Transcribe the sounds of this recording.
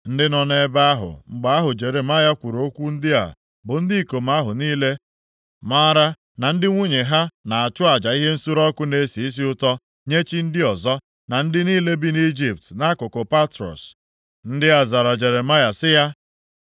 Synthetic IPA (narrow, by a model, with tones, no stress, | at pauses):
n̩˦dɪ˦nɔ˨ne˦ba˦a˦ɦʊ̰˨ŋ͡m̩˨ɡ͡ba˨a˦ɦʊ˨d͡ʒe˨ɾe˨ma˦ja˦kʷu˨ɾo˨˦kʷu˦n̩˦dɪ˦a̰˨ | bʊ˨n̩˦di˦˨ko˨ma˦ɦʊ˨niː˦le˦ | ma˦ɾa˦ | na˨n̩˦dɪ˦ŋʷu˦ɲe˨ɦa˦na˨a˨t͡ʃʊ˦a˨d͡ʒa˨i˦ɦe˦n̩˦su˦ɾɔ˦kʊ˦ne˨˦si˨˦s̬i˦ʊ˦tɔ˦ | ɲe˦t͡ʃi˦n̩˦dɪ˦ɔ˨zɔ˦ | na˨n̩˦dɪ˦niː˦le˦bi˦ni˦d͡ʒi˨p̚tna˦kʊ˨ko˨pa˦tɾɔ̰˨s | n̩˦dɪ˦a˨za˨ɾa˨d͡ʒe˨ɾe˨ma˦ja˨sɪ˦ja˦